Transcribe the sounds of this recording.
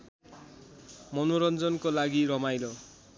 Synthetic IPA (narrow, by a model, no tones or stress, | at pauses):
mɔnoɾʌnd͡zʌnkolaɡiɾʌmajlo